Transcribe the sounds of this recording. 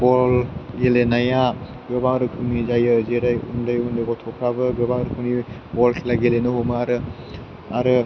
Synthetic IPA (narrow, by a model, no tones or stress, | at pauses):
bɔlɡelenaja | bebaŋɾɯkʰunizajɯzeɾajṵndajundeɡɔtʰɔkʰɾabɯbɔbaŋɾɯkʰuni | bɔlkʰelaɡelenɯɦomɯaɾɯ | aɾɯ